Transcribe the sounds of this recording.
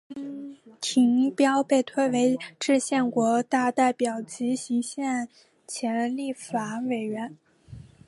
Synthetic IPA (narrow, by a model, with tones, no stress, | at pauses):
t̪ʰi˧˥ŋ˥pjɑ˥ʊpe˥˧ɪt̪ʰwe˥˧ɪwe˧˥ɪʈ͡ʂɻ̩˥˧ɕjɛ˥˩nkwɔ˧˥t̪a˥˧t̪a˥˩ɪpjɑ˨˩ʊt͡ɕi˧˥ɕi˧˥ŋɕjɛ˥˩n | t͡ɕʰjɛ˧˥nli˥˩fa˨˩we˨˩ɪɥɛ˧˥n